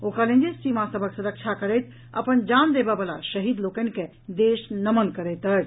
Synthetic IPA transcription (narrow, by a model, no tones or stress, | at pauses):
okalẽnd͡ʒesimasəbʱəksuɾəkʃʰakəɾɛt̪ | ə̰pənd͡ʒand̪ebɛbəlaʃəɦid̪lokənĭke | d̪eːʃnəmənkəɾɛt̪əɾ